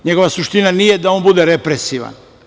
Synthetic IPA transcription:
ɲeɡo̞ʋasuʃt̪inanijed̪ao̞nbud̪eɾepɾesiʋa̰n

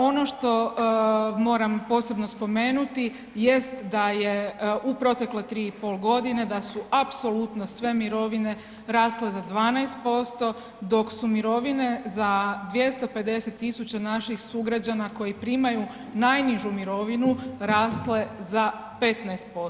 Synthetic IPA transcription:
o̞no̞ʃt̪o̞ | mo̞ːɾampo̞ːse̞bno̞spo̞me̞ːnut̪i | je̞st̪d̪ajeupɾo̞t̪e̞klet̪ɾiːipo̞lɡo̞d̪ine̞d̪asuʔapso̞lut̪no̞sʋe̞miɾo̞ʋine̞ | ɾaːsle̞zad̪ʋaːnajst̪̚po̞st̪o̞ | d̪o̞ksumiɾo̞ʋine̞zad̪ʋje̞st̪ope̞d̪e̞se̞t̪ːisut͡ɕanaʃixsuɡɾad͡ʑanako̞jipɾiːmaju | najniʒumiɾo̞ʋinuɾaːsle̞za | pe̞t̪najst̪̚po̞s

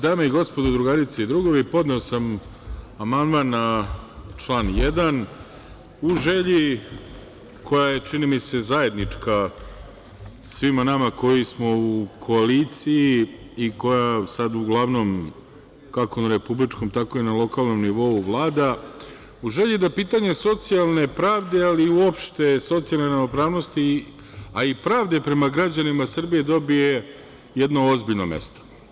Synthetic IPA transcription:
d̪aːmaiɡo̞spod̪ud̪ɾuɡaɾit̪seid̪ɾuɡoʋeipo̞d̪ne̞osam | amand̪manːa | t͡ʂlˠaːnjed̪an | uʒeʎi | kʰo̞jaje̞t͡ʃinimise̞zaje̞d̪nit͡ʂka | sʋimanamako̞jismo̞ukʰo̞alit̪siji | iko̞jasad̪uɡlˠaʋno̞m | kako̞naɾe̞publit͡ʃko̞mt̪ako̞inalo̞kalˠno̞mniʋo̞uʋlˠaːd̪a | uʒeʎid̪apiːt̪aɲe̞so̞t̪sijalˠne̞pɾaːʋd̪e̞aliuopʃt̪e̞so̞t̪sialˠneɾamopɾaːʋno̞st̪i | aipɾaːʋd̪e̞pɾe̞maɡɾad͡ʑanimasr̩bije̞d̪o̞bije̞ | jed̪no̞ozbiʎno̞̰mḛst̪o̥

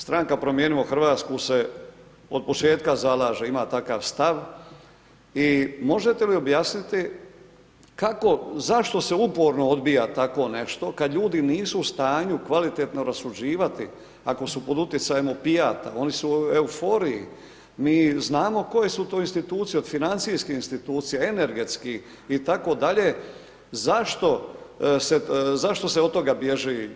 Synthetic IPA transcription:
st̪ɾaŋkapɾo̞mjeːniʋoxr̩ʋaːt̪skuse | o̞d̪̚po̞t͡ʃe̞ːt̪kazalaːʒeimaːt̪aka̰ːʋst̪aʋ | imo̞ʒet̪e̞lio̞bjaːsnit̪i | kako̞zaʃt̪o̞se̞upoːɾnood̪bijat̪ako̞ne̞ʃt̪o̞kad̪ʎuːd̪iniːsuːst̪aːɲukʋalit̪et̪no̞ɾasud͡ʑiːʋat̪ḭ | ako̞supo̞d̪ut̪jet̪sajemopijaːt̪a̰o̞nisueufo̞ːɾijḭ | miːznaːmo̞ko̞je̞sut̪o̞ːinst̪it̪uːt̪sijeod̪finant̪siskiinst̪it̪uːt̪sijaene̞ɾɡe̞t̪ski | it̪ako̞d̪aʎe̞ | zaʃt̪o̞sezaʃt̪o̞seot̪o̞ɡabje̞ʒi

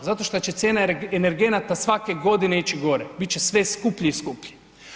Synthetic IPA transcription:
zat̪o̞ʃt̪ot͡ɕe̞t̪sʲjeːnaeneɾɡe̞nat̪asʋakeɡo̞d̪ineit͡ʃiɡo̞ɾebit̪̚t͡ʃesʋeskupʎiiskupʎi̥

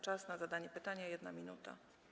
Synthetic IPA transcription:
t͡ʂasnazad̪aɲɛpɘt̪aɲajɛd̪namʲinut̪a̰

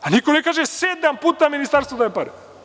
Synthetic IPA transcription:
anikonekaːʒesed̪ampuːt̪aminist̪aɾst̪od̪ajepaɾe

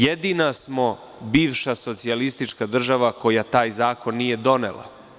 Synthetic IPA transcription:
jed̪inasmo̞ | biːʋʃaso̞t̪sialist̪it͡ʃkad̪r̩ʒaʋako̞jat̪aːjzaːko̞nːije̞d̪o̞nḛlˠa̰

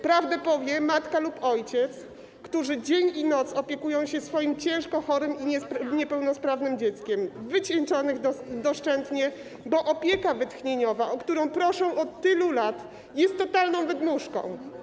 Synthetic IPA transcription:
pɾavd̪ɛpɔvʲjɛmat̪kalupɔjt͡ɕɛt̪s | kt̪uʐɘd͡ʑeɲinɔt̪sɔpʲjɛkujɔ̃w̃ɕɛsfɔjimt͡ɕɛ̃w̃ʂkɔxɔɾɘmiɲɛɲɛpɛwnɔspɾavnɘmd͡ʑɛt̪skʲɛmvɘt͡ɕɛnt͡ʂɔnɘɣd̪ɔʂt͡ʂɛnt̪ɲɛ | bɔʔɔpʲjɛkavɘt̪xɲeɲɔvaʔɔkt̪uɾɔ̃w̃pɾɔʂɔ̃w̃ʔɔt̪ːɘlulat̪ | jɛst̪ːɔt̪alnɔ̃w̃vɘd̪muʂkɔ̰̃w̃

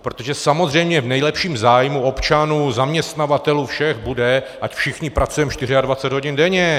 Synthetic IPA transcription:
pɾo̞t̪o̞ʒɛsamo̞zrɛjmɲɛvnɛjlɛpʃiːmzaːjmuo̞pt͡ʃanuːzamɲɛst̪navat̪ɛluːfʃɛxbudɛ | ʔacfʃɪxɲɪpɾat͡sujɛmʃt̪ɪr̝ɪadvat͡sɛd̪ɦoɟɪndɛɲɛ

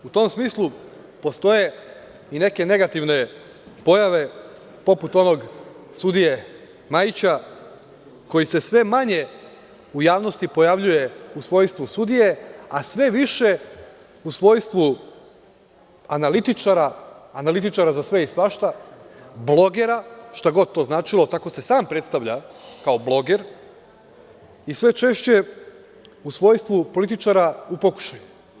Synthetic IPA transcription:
ut̪o̞ːmsmiːslˠu | po̞st̪o̞je̞ | ine̞ke̞ne̞ɡat̪iʋne̞ | po̞jaʋe̞ | po̞put̪o̞no̞ɡ | sud̪ije̞ | majit͡ɕa | ko̞jise̞sʋe̞maɲe̞ | ujaːʋnost̪ipo̞jaʋʎuje̞usʋo̞jst̪ʋusud̪ije̞asʋe̞ʋiʃe̞ | usʋo̞ːjst̪ʋu | analit̪it͡ʃaɾaːnalit̪it͡ʃaɾazasʋe̞isʋaʃt̪a | blˠo̞ɡe̞ɾaʃt̪aɡo̞d̪̚t̪ːo̞ːznaːt͡ʃilˠo̞t̪ako̞se̞saːmpɾe̞t̪st̪aʋʎakao̞blˠo̞ɡe̞ɾ | isʋe̞t͡ʃe̞ʃt͡ɕe̞ | usʋo̞jst̪ʋupolit̪it͡ʃaɾaupo̞ku̥ʃaju

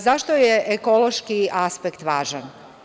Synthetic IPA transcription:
zaʃt̪ojeʔekoloʃkiʔaspekt̪ʋaːʒan

